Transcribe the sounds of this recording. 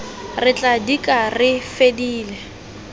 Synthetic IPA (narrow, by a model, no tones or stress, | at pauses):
rɪt͡ɬʼadikʼarɪfediːlɛ